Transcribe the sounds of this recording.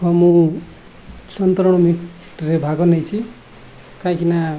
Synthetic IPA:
kʌmũ | sʌnt̪oɾɽ̃omiʈ | rebʱakonʌjt͡sʰi | kajkina

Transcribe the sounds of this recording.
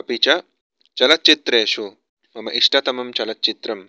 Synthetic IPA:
ɐpit͡ʃa | t͡ʃɐlɐt̪̚t͡ʃit̪ɾeːʃu | mɐmɐʔiʂʈɐt̪ɐmɐmt͡ʃɐlɐt̪̚t͡ʃit̪ɾɐm

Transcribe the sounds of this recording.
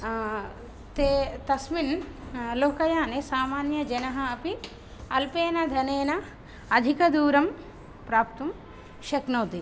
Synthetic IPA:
t̪et̪ɐsminloːkɐjaːnesaːmaːnjɐd͡ʒɐnɐɦɐɐpi | ɐlpeːnɐd̪ʱɐneːnɐ | ɐd̪ʱikɐd̪uːɾɐm | pɾaːp̚t̪um | ʃɐknoːt̪i

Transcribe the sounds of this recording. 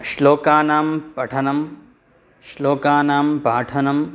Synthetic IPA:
ʃloːkaːnaːmpɐʈʰɐnɐm | ʃloːkaːnaːmpaːʈʰɐnɐm

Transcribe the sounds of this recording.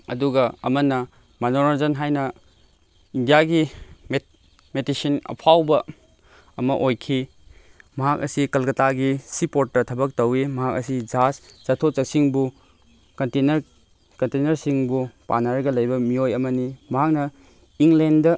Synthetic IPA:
ɐ̰duɡɐɐmɐnɐ | manoɾazɐnɦajnɐ | indijaɡime | metisinɐ̰pʰawbɐ | ɐmɐʔojkʰi | mɐɦak̚ɐ̰sikɐlkɐtaɡisipotɾɐtʰɐbɐk̚tɐwimɐɦak̚ɐsid͡ʒast͡ʃɐtʰot͡ʃɐk̚siŋbu | kɐntenɾ | kɐntenɐɾsiŋbupa̰naɾɐɡɐlɐjbɐmiojɐmɐnimɐɦak̚nɐ | iŋlendɐ

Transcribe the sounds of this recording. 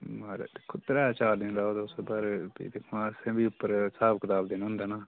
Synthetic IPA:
maːɾḛd̪ekʰʊt̪ɾaːt͡ʃaːld̪enɾaːod̪ʊsbaɾbḭːd̪ekʰːãːsẽːbiːʊpːəɾsaːbkət̪aːbd̪eːnɦʊ̃nd̪aːnaː

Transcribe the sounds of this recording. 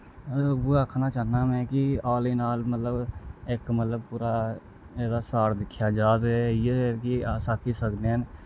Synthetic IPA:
ʋoəkʰnat͡ʃaːɦnamɛ̃kiaːlinaːlmət̪ləbekmət̪ləb̚puːɾa | ɛːdasaːɾd̪ɪkʰjad͡ʒaːt̪ɦɛjekiaːsakisəɡneɛn

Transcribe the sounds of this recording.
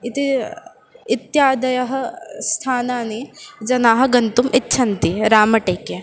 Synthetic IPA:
it̪i | it̪jaːd̪ɐjɐɦɐ̆st̪ʰaːnaːnid͡ʒɐnaːɦɐ̆ɡɐnt̪umʔitːʃʰɐnt̪iɾaːmɐʈeːkje

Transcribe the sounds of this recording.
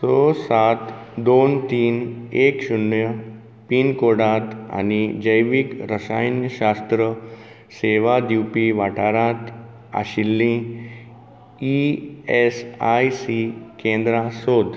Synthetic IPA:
sosat̪d̪ont̪iːnekɕunjə | piːnkoɽat̪a̰nid͡ʑəjʋikɾəsajnjəɕast̪ɾə | seʋad̪iwpiʋaʈʰaɾat̪ | a̰ɕilːĩ | iesajsikẽnd̪ɾasod̪

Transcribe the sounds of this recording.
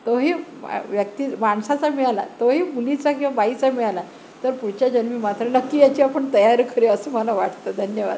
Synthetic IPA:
t̪oɦḭːʋjəkt̪iːmaɳsat͡samiɭala̰t̪oɦiːmulit͡sakĩw̃ʋabait͡samiɭala | t̪əɾpuɽ̤t͡ɕjad͡ʑənmiːmat̪ɾənəkːiːjat͡ɕiːapəɳt̪əjaɾkʰəɾeəsəməlaʋaʈʰt̪əd̪ʱənjəʋa̰d̪

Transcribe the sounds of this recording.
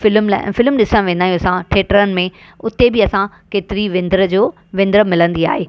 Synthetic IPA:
fɪlm̰fɪlmɗɪsə̃ʋẽːnd̪aːijõsãʈʰeːʈəɾənɪ̆mẽ | ʊt̪ebɪɐsã | keːt̪ɪɾiʋɪ̃nd̪ɾəd͡ʑoː | ʋɪ̃nd̪əɾəmɪlə̃nd̪ia̰ːɦeː

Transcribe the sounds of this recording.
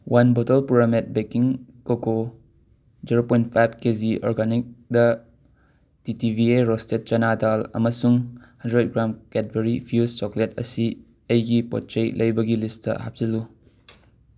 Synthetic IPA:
wʔanbotɐlpuɾamet̚bekiŋkoko | d͡ʒeɾopɔjnpʰajb̚keziʔɔ̰ɾɡanik̚dɐ | titibʱieɾɔstet̚t͡ʃɐnadalɐ̰mɐsuŋ | handɾed̚ɡɾamkɛt̚beɾipʰjust͡ʃɔkletɐsi | ɐjɡipɔ̰t̚t͡ʃɐjlʔɐjbɐɡilisdɐ̰ɦa̰b̚zilu

